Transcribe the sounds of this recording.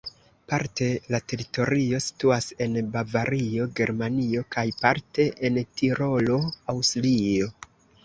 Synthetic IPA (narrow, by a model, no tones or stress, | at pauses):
paɾte̞late̞ɾito̞ɾio̞si̥tuase̞nbavaɾio̞ɡe̞ɾmanio̞kajpaɾte̞ʔentiɾo̞lo̞awslio̞